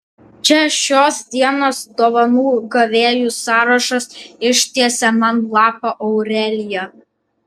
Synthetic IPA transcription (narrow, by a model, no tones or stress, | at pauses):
t͡ʃʲɛʃʲoːsd̪ʲiɛnoːsd̪oːʋɐnuːɡɐʋʲeːjuːsɑːɾɐʃɐsɪʃt̪ʲiɛsʲɛmɐnlˠɑːpɐʔɔʊɾʲɛlʲɪjɛ